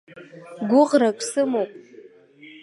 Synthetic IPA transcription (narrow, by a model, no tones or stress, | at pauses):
ɡʷʊʁrakʼsɨmowpʼ